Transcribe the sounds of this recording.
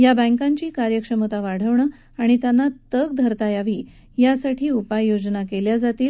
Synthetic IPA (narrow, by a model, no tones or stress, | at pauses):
jabə̃ŋkaɲt͡ɕiːkaɾjəkʂəmət̪aʋaɽ̤əʋɳə | aɽ̃it̪janːat̪əɡ̚d̪ʱəɾt̪ajaʋiː | jasaʈʰiːupajːod͡znakeljad͡zat̪iːl